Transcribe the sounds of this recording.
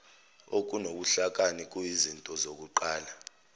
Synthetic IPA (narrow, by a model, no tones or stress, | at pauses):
ok̬ʼunoɓ̬uɬak̬ʼanik̬ʼujizintʼɔzok̬uǃaːla